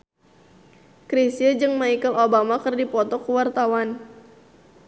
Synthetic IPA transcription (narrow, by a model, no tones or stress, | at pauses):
kɾisəd͡ʒɨŋmaijkəlobamakərdipɔt̪ɔkuwart̪awan